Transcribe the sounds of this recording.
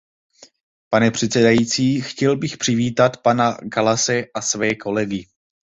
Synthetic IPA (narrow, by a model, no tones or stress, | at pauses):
panɛpr̝̥ɛt̪sɛdajiːt͡siːxcɛlbɪxpr̥ɪviːt̪at̪panaɡalasɛʔasvɛːkʰo̞lɛɡɪ